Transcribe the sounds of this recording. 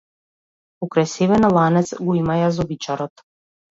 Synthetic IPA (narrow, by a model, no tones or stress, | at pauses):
ukɾajsevɛnalˠanɛt̪sɡɔimajazɔbit͡ʃaɾɔt̪